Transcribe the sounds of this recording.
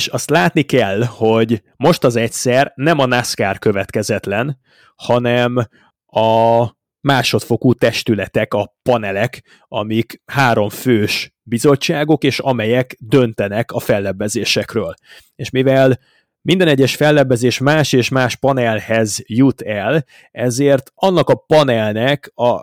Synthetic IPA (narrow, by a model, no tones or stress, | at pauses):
ʃɒst̪laːt̪nikɛlːho̞ɟ | mo̞ʃt̪ɒzɛcʲsɛrnɛmɒnaskaːrkø̞vɛt̪kɛzɛt̪lɛn | hɒnɛm | ɒ | maːʃo̞t̪fo̞kut̪ɛʃt̪ylɛt̪ɛkɒpɒnɛlɛk | ɒ̰mikhaːɾo̞ɱføːʃ | bizo̞t͡ʃːaːɡo̞keːʃɒmɛjɛkd̪ø̞nt̪ɛnɛkɒfɛlːɛbːɛzeːʃɛkrøːl | eːʃmivɛl | mind̪ɛnɛɟːɛʃfɛlːɛbːɛzeːʃmaːʃeːʃmaːʃpɒnɛlhɛzjut̪ɛl | ɛzeːrt̪ɒnːɒkɒpɒnɛlnɛkɒ